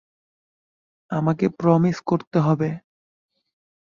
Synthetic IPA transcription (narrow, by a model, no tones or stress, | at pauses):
amakepɾɔmiskoɾt̪eɦɔbe